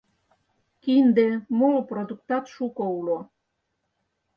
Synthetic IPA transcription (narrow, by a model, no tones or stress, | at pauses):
kind̪emolprod̪uk̚t̪ɑt̪ʃukoulo